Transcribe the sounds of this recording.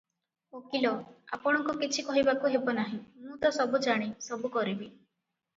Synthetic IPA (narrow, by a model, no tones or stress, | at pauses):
okilɔa̰pɔɽ̃ɔŋkukit͡ʃʰikɔɦibakuɦebɔnaɦĩmũt̪ɔsɔbud͡ʒaɽ̃isɔbukɔɾibi